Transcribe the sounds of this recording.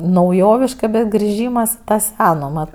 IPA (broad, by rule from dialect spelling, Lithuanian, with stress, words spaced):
nɐʊˈjoːʋʲɪʃkɐ bʲɛt ɡrʲɪˈʒʲiːmɐs ɪ tɐ ˈsʲæːnoː mɐt